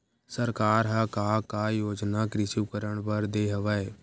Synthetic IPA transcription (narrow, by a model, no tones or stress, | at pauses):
səɾkaːɾɦakaːkajoːd͡ʒnakɾɪʃuːkəɾəɳpəɾd̪eːɦəʋəe